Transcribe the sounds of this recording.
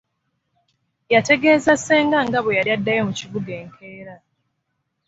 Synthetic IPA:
jate̞ɡe̞ːzasːeːŋɡaŋɡaβojaljadːajomuciβuɡe̞ːŋkʰe̞ːɾa

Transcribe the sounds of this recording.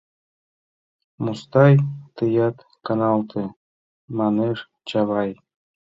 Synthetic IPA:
must̪ɑjt̪əjɑt̪ | kɑnɑlt̪ʰe | mɑneʃ | t͡ɕɑβɑj

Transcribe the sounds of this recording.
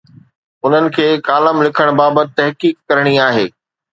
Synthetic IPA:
ʊn̤ənɪ̆kʰeːkaːləmlɪkʰəɽ̃baːbət̪̚ɪt̪ɐɦkiːkːɐɾəɽ̃iaːɦeː

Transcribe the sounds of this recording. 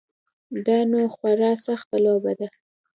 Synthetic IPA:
d̪ɑnoxwaɾɑsaxt̪alobad̪a

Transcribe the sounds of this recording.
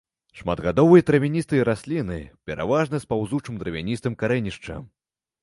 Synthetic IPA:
ʂmad̪ɣad̪ɔvɨjɐt̪ɾɐvʲinʲist̪ɨɾasʲlʲinɨpʲɛɾa̰vaʐnɨspawzut͡ʂɨmd̪ɾɐvʲanʲist̪ɨmkaɾɛnʲiʂt͡ʂɐ̰

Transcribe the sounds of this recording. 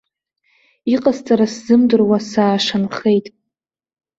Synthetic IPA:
iqʼazt͡sʼaɾaszɨmdɨrwasaːʂanχejtʼ

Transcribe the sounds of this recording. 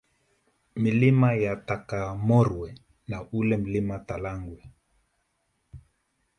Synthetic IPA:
milimajatakamɔɾwɛ | naulɛm̩limatalaŋɡwɛ

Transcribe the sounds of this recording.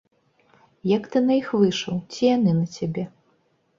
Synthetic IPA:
jɐkt̪ɨnɐjixvɨʂɐwt͡sʲijanɨnɐt͡sʲabʲɛ

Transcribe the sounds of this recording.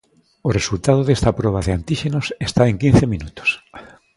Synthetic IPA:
oresult̪að̞oðest̪apɾɔβ̞aðɪant̪iʃenosest̪aeŋkĩn̟θemĩnut̪o̥s

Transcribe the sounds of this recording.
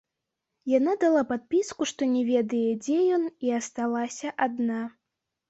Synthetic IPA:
janad̪alˠapat̪̚pʲiskuʂt̪ɔnʲɛvʲɛd̪ɐjɛd͡zʲɛjɔniɐst̪alˠasʲɐʔad̪na

